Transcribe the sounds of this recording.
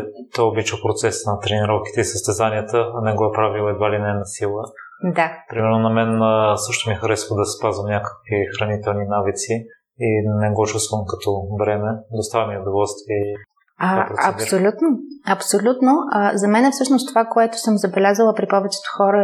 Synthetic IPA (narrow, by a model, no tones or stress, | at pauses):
t̪ɔjobit͡ʃəpɾot̪sɛsnɐt̪ɾɛniɾɔfki̥t̪ɛisəst̪ɛzaniət̪ənɛɡoɛpɾavilˠɛd̪valinɛɛnɐsilˠə | d̪apɾimɛɾnonɐmɛnsɤʃt̪omixɐɾɛsvəd̪ɐspazvəmnʲakə̥kvixɾɐnit̪ɛlˠninavit̪si | inɛɡɔt͡ʃust̪vəmkɐt̪ɔbɾɛmɛd̪ost̪avmiod̪ovɔlˠst̪viɛ | apɾoɐpsolʲut̪noɐpsolʲut̪noʔazɐmɛnɛfsɤʃnost̪ovakoɛt̪ʊ̥sɤmzɐbɛlʲazəlˠəpɾipɔvɛt͡ʃɛ̥t̪o̥xɔɾə